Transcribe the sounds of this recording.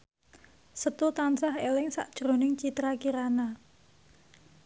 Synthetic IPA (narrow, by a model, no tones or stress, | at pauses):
sət̪ut̪ansaɦelɪŋsa̰ʔd̥ʒ̥ɾo̤nɪŋt͡ʃit̪ɾakiɾana